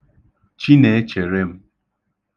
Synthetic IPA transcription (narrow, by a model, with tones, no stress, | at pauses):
t͡ʃi˦ne˨e˦t͡ʃe˨ɾe˦m̩˦